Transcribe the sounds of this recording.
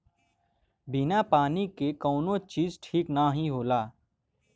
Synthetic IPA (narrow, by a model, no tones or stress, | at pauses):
bɪnapaːnikekɔːnot͡ʃiːzʈʰiːknaɦĩɦoːlaː